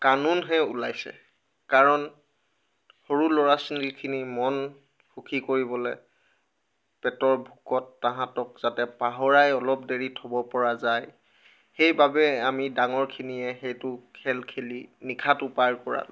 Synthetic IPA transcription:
kanunɦɛṵlajsɛ̰ | kaɹɔn | hoɹulɔɹasinikʰinimɔn | xʰukʰikoɹibɔlɛ | pɛtɔɹbʱukɔtːãɦãtɔk̚z̥atɛpaɦɔɹajɔlɔp̚deɹitʰɔbɔpɔɹazaj | xejbabɛamidaŋɔɹkʰiniɛxejtʊkʰɛlkʰelinikʰatʊpaɹkɔɹa̰l

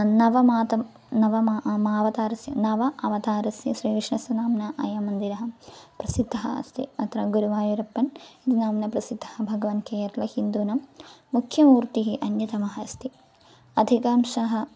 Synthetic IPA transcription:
nɐʋɐmaːt̪ɐm | nɐʋɐmaːʋɐt̪aːɾɐsjɐ̰nɐʋɐʔɐʋɐt̪aːɾɐsjɐʃɾiːkʂɳɐsɐnaːmnɐʔɐ̰jɐmːɐnd̪iɾɐɦɐmpɾɐsid̪ʱːɐɦɐ̰ɐ̰st̪ʰḭɐt̪ɾɐɡuɾuʋaːjuɾɐpːɐnid̪inaːmnɐpɾɐsid̪ʱːɐ̥hɐbʱɐɡɐʋɐːnkeːjɐɾɐlɐhind̪uːnɐmːukʰjɐmuːɾt̪iɦiʔɐnjɐt̪ɐmɐɦɐst̪i | ɐd̪ʱikaːmʃɐɦɐ

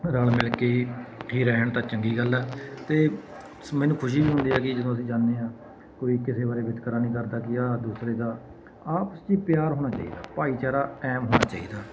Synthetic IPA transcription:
ɾaːlmɪlkeːiːɦiːɾɛːɳt̪aːt͡ʃəŋɡiːɡəlːɛːt̪eː | mɛːnũːkʰʊʃ̬iːbiːɦʊ̃nd̪iːaːkɪd͡ʒəd̪õːəs̬ĩːd͡ʒaːnːeːãː | koːiːkɪseːbaːɾeːbɪt̪kəɾaːnĩːkəɾd̪aːkɪaːd̪uːsɾeːd̪aː | aːpəsiːpjaːɾɦoːñaːt͡ʃa̰ːḭːd̪a̰ːpaːiːt͡ʃaːɾaːɛːmɦoːnaːt͡ʃaːḭːd̪aː

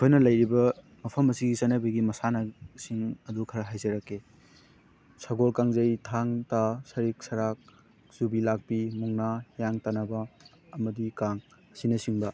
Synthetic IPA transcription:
ojnɐlɐjɾibɐ | mɐpʰɐmɐsiɡisɐnɐbɐɡimɐsanɐsiŋɐdukʰɐɾɐɦajzɐɾɐkʰːe | saɡoɾkaŋzɐjtʰaŋtasɐɾik̚sɐɾak̚ | subilak̚pimuŋnajaŋtanɐbɐː | mɐdikaŋɐsinɐsiŋbɐ

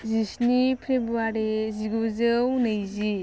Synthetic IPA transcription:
zisnipʰɾebuaɾiziɡuzɯwnɯjzi

